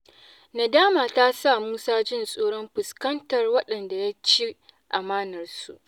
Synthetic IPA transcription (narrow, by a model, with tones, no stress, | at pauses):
na˨daː˦maː˨ta˦sa˦˨muː˦saː˦d͡ʒɪ˦˨nsʼoː˦ɽɔ˦mɸʊ˨skɐ˦ntɐ˨rwɐ˦ɗɐ˨nda˨ja˦t͡ʃi˦ | ʔa˨maː˦nɐ˨rsu˨ʔ